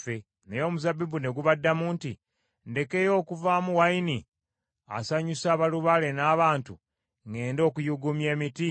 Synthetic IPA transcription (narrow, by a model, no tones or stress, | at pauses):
e | nejo̞ːmuzabibune̞ɡuβadːamuːnti | nde̞ke̞jo̞ːkuvaːmuwaini | a̰saɲusaːβaluβale̞naːβaːntṵ | ŋe̞ːndo̞ːkujuɡumje̞ːmiti